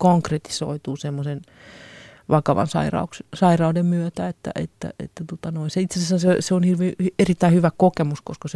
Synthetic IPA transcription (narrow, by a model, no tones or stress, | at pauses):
koŋkret̪i̥so̰it̪uːsemːosen | ʋɑkɑʋɑ̰nsɑ̰irɑ̰uksesɑirɑudemmyøt̪æet̪ːæ̰ʔḛt̪ːæ̰ḛt̪ːæt̪uot̪ɑnoinseitsesæsːæseseonhirʋiːerit̪ːæihyʋækokemuskoskɑse